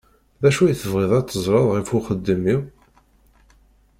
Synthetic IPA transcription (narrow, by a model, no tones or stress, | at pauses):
ðæʃujθəvʁeðˤɑt͡s̪ːəzˤɾˤɑðˤʁifuχəd̪ːəmiw